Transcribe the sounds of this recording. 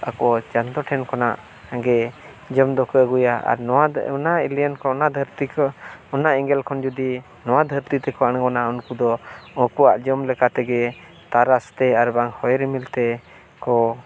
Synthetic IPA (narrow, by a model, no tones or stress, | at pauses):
a̰kɔɔt͡ʃant̪ɔʈʰɛnkɔna̰ʔ | aŋɡɛ | d͡ʒəmd̪ɔkəəɡujaa̰ɾnɔanailijənkɔɔnad̪ʱəɾt̪ikɔɔnaʔiŋɡɛlkʰɔnd͡ʒud̪i | nɔwad̪ʱəɾt̪it̪ɛkɔañɡɔnaunkud̪ɔɔkuaʔd͡ʒəmlɛkat̪ɛɡɛ | t̪aɾast̪ɛaɾbaŋhɔjɾɛmilt̪ɛ | kɔ